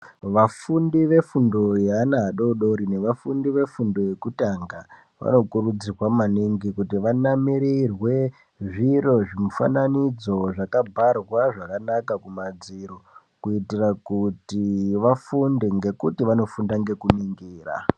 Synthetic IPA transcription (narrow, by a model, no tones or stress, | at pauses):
ʋafundiʋe̞fundo̞jeanaːɗo̞ɗo̞ɾine̞ʋafundiʋe̞fundo̞je̞kutaŋɡa | ʋa̰no̞kuɾud͡zirwamaniŋɡikutiʋanamiɾirwe̞ | ʐiro̞ʐimufa̰nanid͡zo̞ʐakabʱarwaʐakanakakumad͡ziɾo | kuitirakutiʋafundeŋɡe̞kutiʋano̞fundaŋɡe̞kuniŋɡiːra̰